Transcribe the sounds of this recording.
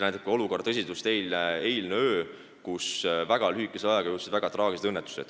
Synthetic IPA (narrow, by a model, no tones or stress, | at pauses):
næjt̪ekːˑeo̞luko̞rdt̪ɤs̬ʲid̪ust̪e̞jleejlneøː | kusvæɡ̥ɑlyikːˑeseɑjeɡ̥ɑjut̪sed̪væɡ̥ɑt̪rɑːɡised̪ɤnːet̪ːˑu̥sḛd̥̪